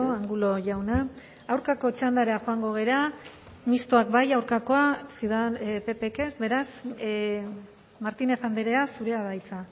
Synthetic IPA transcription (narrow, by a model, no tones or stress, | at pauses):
oaŋɡulo̞ʝawna | awɾkako̞t͡ʃand̪aɾeaxo̞aŋɡo̞ɣ̞e̞ɾa | mist̪oakbajawɾkako̞asiðanpe̞pe̞ke̞sbe̞ɾas | maɾt̪ine̞fand̪eɾe̞asuɾe̞aβajt͡sa